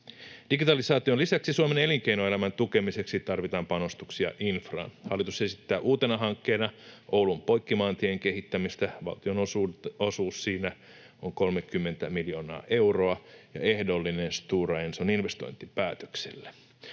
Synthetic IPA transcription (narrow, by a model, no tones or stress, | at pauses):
d̥iɡit̪ɑlisɑːt̪ionlisæksisuomene̞liŋkeinoe̞læmænt̪uke̞mise̞ksit̪ɑrʋit̪ɑːmpɑno̞st̪uksiɑ̰ʔinfrɑ̰ːnhɑlːit̪usesit̪ːæːʔuːt̪enɑɦɑŋkːe̞ːnɑʔo̞wlumpo̞jkːimɑːnt̪ieŋk̟e̞ɦit̪ːæmist̪æʋɑ̰lt̪io̞nososuːssiːnæ | oŋko̞lmekːymːe̞nt̪æmiljo̞ːnɑ̰ːʔe̞wro̞ɑjɑ̰e̞hdo̞lːinenst̪uːrɑensoninʋe̞st̪o̞̰jnt̪ipæːt̪ø̥ksḛlːæ̥